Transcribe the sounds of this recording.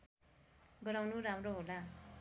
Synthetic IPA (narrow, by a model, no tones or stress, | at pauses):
ɡʌɾawnuɾamroɦola